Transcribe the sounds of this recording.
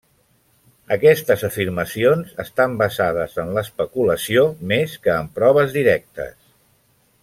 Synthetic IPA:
əkɛst̪əzəfiɾməsionzəst̪ambəzað̞əzənləːspəkuləsiomeskəːmpɾɔβ̞əzðiɾɛk̚t̪ə̰s

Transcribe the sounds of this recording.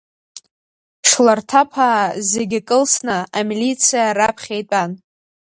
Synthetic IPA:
ʂlartʰapʰaːzeɡʲakʼɨlsnɨamilit͡sʰijaɾapʰχʲejtʼan

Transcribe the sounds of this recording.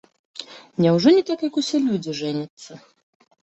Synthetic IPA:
nʲɛwʐɔnʲɛt̪akjɐkusʲɛlʲud͡zʲiʐɛnʲɐt̪sːɐ

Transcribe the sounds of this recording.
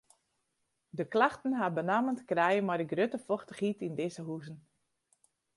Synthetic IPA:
dəklaxtən̩ɦabənaməntkrɛjəmaɾəɡrøtəfɔxtəxitindɪzəɦuzən̩

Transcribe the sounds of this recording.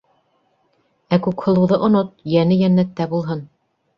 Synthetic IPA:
ækʉkhŏlˠɤ̆wðɤʔŏnot̪̚jænɘjænːæt̪ːæbulˠɦɤn

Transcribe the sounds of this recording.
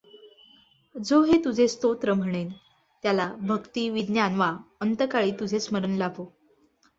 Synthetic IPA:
d͡zoɦet̪ud͡zʱest̪ot̪ɾəm̤əɽ̃en | t̪jalabʱəkt̪iːʋid̪njanʋaənt̪əkaɭiːt̪ud͡zʱesməɾənlabʱo

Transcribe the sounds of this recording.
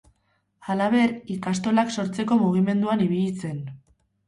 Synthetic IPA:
alaβ̞e̞ɾikast̪o̞lakso̞ɾt͡se̞ko̞muɣ̞ime̞nd̪uaniβiʎit͡se̞n

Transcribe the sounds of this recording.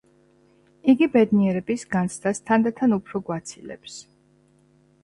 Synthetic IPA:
iɡibɛd̪niɛɾɛbisɡant̪sʰd̪ast̪ʰand̪at̪ʰanupʰɾɔɡwat̪sʰilɛ̰ps

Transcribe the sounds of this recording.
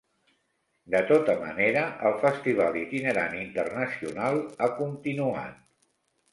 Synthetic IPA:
d̪ət̪ot̪əmə̰neɾəʔəlˠfəst̪iβalˠit̪inəɾanint̪ərnəsiunalˠakunt̪inua̰t̪̚

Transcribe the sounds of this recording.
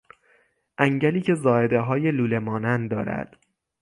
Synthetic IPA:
ʔæŋɟæliːcʰe̞zɒːe̞d̪eɦɒːje̞luːle̞mɒːnænd̪ɒ̰ːɾæ̰d̪̥

